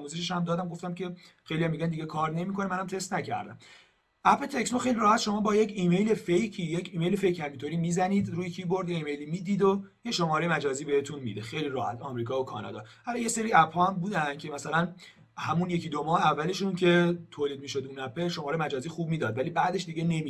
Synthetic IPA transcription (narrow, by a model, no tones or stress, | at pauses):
muːzeʃeʃhæmd̪ɒːd̪æmɡo̞ft̪æmcʰe̞xe̞jlijɒmːiɟænd̪iɟekʰɒːɾne̞miːkʰo̞nemænæmt̪ʰest̪næcʰæ̰ɾd̪æ̰m | æpʰet̪ʰe̞ksnoxe̞jliɾɒːhæt̪ʃo̞mɒːbɒːjecʰiːme̞jlefejcʰiːjecʰiːmejlefe̞jcʰhæmint̪ʰoːɾiːmizæniːd̪ɾuːjecʰiːboɾd̪jeiːmejlimiːd̪iːd̪o | jeʃomɒːɾejmæd͡ʒɒːziːbe̞he̞t̪ʰunmḭd̪exejliɾɒːhæt̪ʰɒ̰ːmɾiːkʰɒːokʰɒ̰ːnɑ̰d̪ɒ̰ːhɒlɒːje̞se̞ɾiːæphɒːæmbuːd̪æncʰemæsælæn | hæmunje̞cʰid̪omɒːheævːæle̞ʃuncʰe̞t̪ʰoːliːd̪̚miːʃo̞d̪unæpʰelʃomɒːɾejemæd͡ʒɒːziːxuːb̚miːd̪ɒːd̪vælibæd̪e̞ʃd̪iɟene̞mi